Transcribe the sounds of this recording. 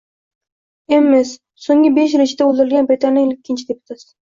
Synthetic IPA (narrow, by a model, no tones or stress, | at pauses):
emːɪs | soŋʲɪbeʃɾɪt͡ʃʰɪd̪aold̪ɪɾɪlʲɡʲanbɾʲɪt̪ʰanɪŋlɪkʲʰːɪnt͡ʃʰɪd̪epʊ̥t̪ʰat̪